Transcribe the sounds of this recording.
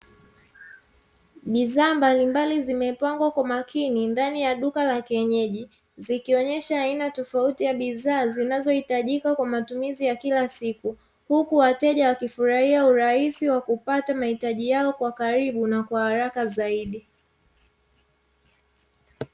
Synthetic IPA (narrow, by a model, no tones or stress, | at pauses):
ɓiðaːmbalimbalizimɛpaŋɡwakwamakʰinindanijaɗukalakɛɲɛʄi | zikiɔɲɛʃaːinatɔfautijaɓiðaːzinazɔhitaʄikakwamatumizijakilasiku | hukuwatɛʄawakifuɾahiauɾaisiwakupatamahitaʄijaɔkwakaɾiɓunakwahaɾakazaiɗi